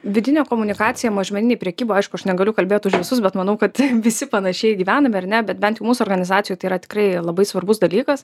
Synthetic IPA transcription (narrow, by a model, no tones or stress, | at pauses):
ʋʲɪd̪ʲɪnʲɛːkoːmʊnʲɪkɑːtt͡s̪ʲɪjɛmoʒʲmʲɛnʲɪneɛpʲɾʲɛkʲiːboːɐɪʃkʊɐʃnʲɛɡɐlʲʊkɐlʲbʲeːt̪ʊʃʋʲɪsʊs̬bʲɛt̪mɐnɐʊkɐt̪ʋʲɪsʲɪpɐnɐʃʲɛɪɡʲiːʋʲæːnɐmʲɪɐrnʲɛbʲɛt̪bʲɛnt̪jɛʊmuːsʊɔːrɡɐnʲɪzɑːtt͡s̪ʲsʲɪjuːt̪ɐɪiːɾɐt̪ʲɪ̥kɾɐɪlˠɐbɐɪsʋɐrbʊsd̪ɐlʲiːkɐs